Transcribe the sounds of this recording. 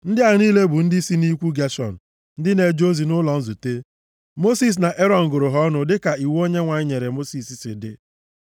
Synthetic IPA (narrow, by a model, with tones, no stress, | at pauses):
n̩˦dɪ˦a˨ɾiː˦le˦bʊ˨n̩˦dɪ˦si˦ni˦kʷu˦ɡe˦ʃɔ̰˨n̩˨ | n̩˦dɪ˦ne˨d͡ʒo˦zi˨nʊ˦lɔ˨n̩˦zu˨te˦ | mo˦si˦s̬na˨ʔe˦ɾɔ˨n̩˨ɡʊ˨ɾʊ˨ɦɔ˦nʊ˨dɪ˦ka˨i˨wo˦ɲe˦ŋʷa˨ɲɪ˦ɲe˨ɾe˨mo˦si˨si˦sɪ̰˨dɪ̰˨